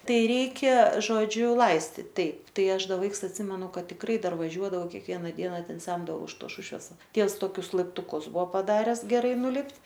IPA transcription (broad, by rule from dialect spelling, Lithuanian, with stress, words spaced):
ˈtɐɪ ˈrʲɛɪkʲɛ ʒoːˈd͡ʒʲʊ ˈlˠɐɪsʲtʲɪt ˈtɐɪp ˈtɐɪ ˈɐʃ ˈdɐ ˈʋɐɪks ɐtʲˈsʲɪmʲɛnʊ ˈkɐt tʲɪkˈrɐɪ ˈdɐr ʋɐˈʒʲuɔdɐʋɐʊ kʲɛkˈʋʲiɛnɐ ˈdʲiɛnɐ ˈtʲɛn ˈsʲɛmdɐʋɐʊ ɪʃ toːs ˈʃʊʃʲʋʲɛs ˈtʲiɛws ˈtoːkʲʊs lˠɐɪptʊˈkʊs ˈbuɔ pɐˈdɑːrʲɛs ɡʲɛˈrɐɪ nʊˈlʲɪpʲtʲ